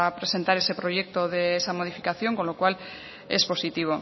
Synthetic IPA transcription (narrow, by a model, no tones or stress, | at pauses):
apɾese̞nt̪aɾese̞pɾoʝek̚t̪oðeesamoð̞ifikaθjo̞ŋko̞nlokwal | espo̞sit̪iβ̞o